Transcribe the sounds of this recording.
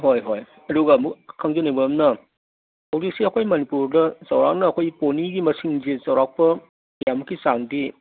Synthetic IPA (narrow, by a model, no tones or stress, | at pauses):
ɦojɦoj | ɐduɡɐmukkʰɐŋzɐnibɐmnɐ | hɐwzik̚siɐkʰojmɐnipuɾdɐzɐwɾak̚nɐːkʰojponiɡimɐsiŋzezɐwɾak̚pɐ | jamɐkːisaŋdi